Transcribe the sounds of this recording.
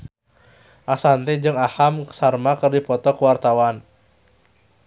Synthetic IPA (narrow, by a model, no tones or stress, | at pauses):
ʔasant̪ed͡ʒɨŋahamksarmakɨrdipɔt̪ɔkəwart̪awan